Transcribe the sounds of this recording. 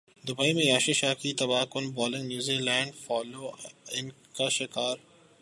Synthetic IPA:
d̪ʊbaːimẽjaːʃiʃaːkit̪ɐbaːkʊnbɔːlɪ̃ŋɡnjuːzilɛ̃ːɳɖfɔːloːɪn | kaʃɪkaːɾ

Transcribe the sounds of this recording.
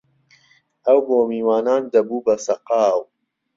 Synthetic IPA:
ɐwboːmiːwaːnaːnd̪ɐbuːbɐsɐqɑːw

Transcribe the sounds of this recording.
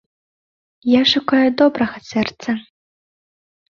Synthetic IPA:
jaʂukajud̪ɔbɾɐɣɐsʲɛrt̪sɐ

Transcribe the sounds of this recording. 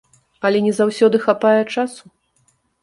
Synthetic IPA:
ɐlʲɛnʲɛzawsʲɔd̪ɨxapajɛt͡ʂasu

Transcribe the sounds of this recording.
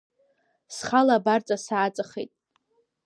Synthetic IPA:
sχalabart͡sʼasaːt͡sʼɨχḛtʼ

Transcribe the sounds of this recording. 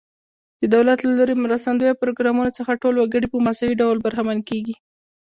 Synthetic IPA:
d̪̥əd̪awlat̪laloɾemɾast̪and̪ojapɾoɡɾɑmunot͡səxaʈolwaɡəɽipəmasawiɖawlbaɾɦamankeɡi

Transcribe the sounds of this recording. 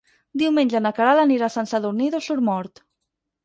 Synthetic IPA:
d̪iwmenʲʒanakaɾalaniɾasansaðuɾniðosuɾmɔɾt̪

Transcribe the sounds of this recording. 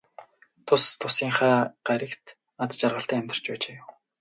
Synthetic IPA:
t̪ʰʊst̪ʰʊsiːŋχæːɢ̥æɾʲə̆kt̪ | at͡st͡ɕarʁə̆ɬt̪æːæmʲt̪r̥t͡ɕpæːt͡ɕeːjʊw

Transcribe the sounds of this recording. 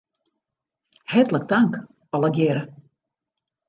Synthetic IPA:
hɛtlək̚taŋk | ɔlˠəɡjɪɾə

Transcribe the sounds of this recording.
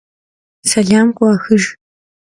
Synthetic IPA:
sɐɮaːmkʷʼʊaxɨʒ

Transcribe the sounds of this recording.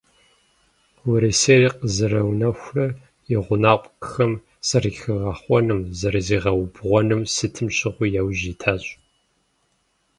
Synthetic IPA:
wʊɾiseːriːqəzɨɾɐwnɐxʷrɐ | jɪʁʷʊnaːqʷʼkxɐm | sɐrɨxɨʁɑːχʷɔnɨmzɐɾɐziːʁɐwbʁʷɔnɨmsɨtʰɨmɕɪʁʷʊjawʑiːtʰaːɕʼ

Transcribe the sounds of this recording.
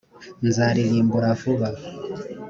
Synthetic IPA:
nzaɾilimbuɾafuβa

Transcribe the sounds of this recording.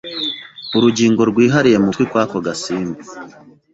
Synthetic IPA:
uɾuɟiːŋɡo̞ɾɡwiːɦaɾije̞mukwikwaːkoɡasiːmbi

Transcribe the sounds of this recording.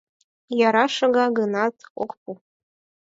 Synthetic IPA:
jɑɾɑʃɤ̆ɡɑɡɤnɑt̪okpu

